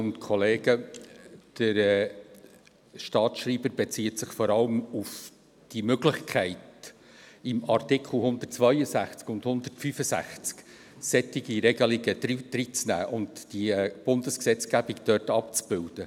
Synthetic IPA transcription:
ʊntkʰɔleːɡə | d̥əɾɛ | ʃtɑːtʃriːbəɾbɛt͡siːətsɪχfɔɾɑləmʊf | d̥imøɡlɪχkʰχæɪt̚ | ɪmɑrtɪkʰl̩ˠhʊnd̥̪ətt͡svœjəzæχt͡skʊndhʊndərtfyfəsæ̰χt͡sk | sɛtɪɡiɾɛɡ̥əlɪɡədɾid̪ɾit͡snæ̰ːʔʊndd̥ib̥ʊnd̥əsksɛt͡sɡ̥æbikd̥œtɑp̚t͡sb̥ɪld̥ə

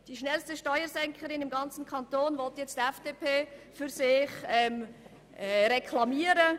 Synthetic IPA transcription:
d̥iːʃnɛlstəʃtɔʏəɾsɛŋkʰəɾɪnɪmɡɑnt͡sn̩kʰɑntoːnvɔltjɛt͡stɛfd̥epʰeːfyɾsɪχɛm | ɾekʰlɑmiːəɾə

